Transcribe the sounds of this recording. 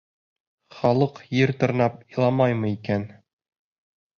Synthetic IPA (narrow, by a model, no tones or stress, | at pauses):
χɒlˠɤqjɘɾt̪ŏɾnɑpilˠɑmɑjmɤ̆ikæn